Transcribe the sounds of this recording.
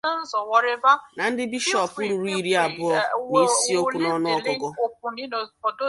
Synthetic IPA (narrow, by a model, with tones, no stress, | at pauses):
n̩˦zɔ˨wɔ˨ɾɪ˦va˦na˨n̩˦dɪ˦bi˦ʃɔ˦pu˦ɾu˨ɾu˦i˦ɾi˦a˨bʊ˦ɔ˦ni˦si˦o˦u˨nɔ˦nʊ˦ɔ˦ɡɔ˦ɡɔ˦ku˦˨ɔ˨do˦